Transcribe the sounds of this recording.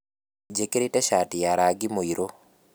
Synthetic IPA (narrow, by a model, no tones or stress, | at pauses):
d͡ʒekeɾetɛʃatɪjaɾaɡɪmoiɾo